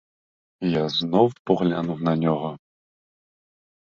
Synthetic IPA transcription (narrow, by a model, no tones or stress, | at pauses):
jaznɔwpɔɣlʲanuwnɐnʲɔɣɔ